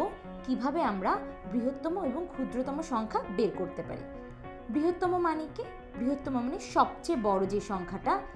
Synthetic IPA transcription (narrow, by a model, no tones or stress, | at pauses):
o | kibʱabeamɾabɾiɦot̪ːɔmoeboŋkʰud̪ɾot̪ɔmoʃɔŋkʰabeɾkoɾt̪epa̰ɾḭ | bɾiɦot̪ːɔmomanike | bɾiɦot̪ːɔmomaneʃɔb̚t͡ɕebɔɾod͡ʑeʃɔŋkʰaʈa